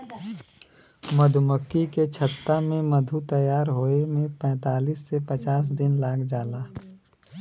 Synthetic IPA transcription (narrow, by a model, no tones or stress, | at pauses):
məd̪ʱʊməkːiket͡ʃʰət̪ːamẽməd̪ʱut̪ɐjaːɾɦoːemẽpɛ̃ːt̪aːliːsːepət͡ʃaːs̬d̪ɪnlaːkd͡ʒaːlaː